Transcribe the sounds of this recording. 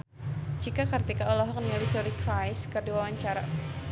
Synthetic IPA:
d͡ʒikakɨrt̪ikaɔlɔɦɔk̚nialisɔɾikɾajskɨrdiwawaɲt͡ʃaɾa

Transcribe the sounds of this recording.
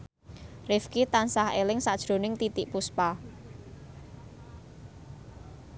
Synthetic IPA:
rɪfkit̪ansahelɪŋsad̥ʒ̥ɾo̤nɪŋt̪it̪ɪʔpuspa

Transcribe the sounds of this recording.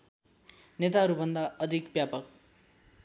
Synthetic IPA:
net̪aɦʌɾubʱʌnd̪aʌd̪ʱikbjapʌk̚

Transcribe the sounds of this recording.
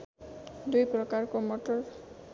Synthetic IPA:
dujpɹɔkaɹkɔmɔtɔɹ

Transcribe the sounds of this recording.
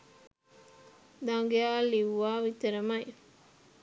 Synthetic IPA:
d̪aŋɡeaːliʋʋaːʋit̪eɾɐmɐj

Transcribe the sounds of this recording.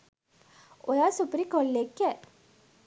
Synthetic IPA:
ojasupəɾikolːekːɛ

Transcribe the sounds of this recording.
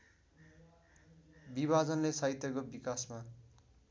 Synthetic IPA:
bibʱad͡zʌnlesait̪jʌkobikasma

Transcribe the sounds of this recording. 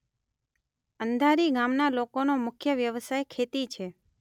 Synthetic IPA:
ənd̪ʱaɾiɡamnalokonomʊkʰjəʋjəʋsajkʰet̪it͡ʃʰe

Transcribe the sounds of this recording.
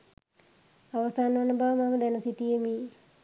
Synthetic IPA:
aʋɐsaːnʋɐnɐbaːmaməd̪ɛnɐsit̪ijemiː

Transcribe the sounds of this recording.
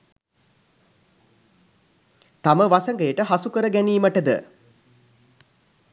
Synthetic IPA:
t̪aməʋasəŋɡəjəʈəɦasukəɾəɡæniːməʈəd̪ə̰

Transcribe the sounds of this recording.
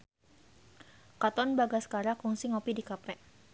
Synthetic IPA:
kat̪ɔnbaɡasə̥kaɾakuŋsiŋɔpidikapɛ

